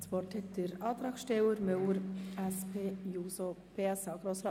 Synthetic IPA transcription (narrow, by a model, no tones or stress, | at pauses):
t͡spɔrthɛt̚d̥əɾɑːt̪ɾɑːkʃtɛwəɾmøwəɾɛspʰeːjuːsopeːɛsaʊɡ̥ɾoːsɾɑː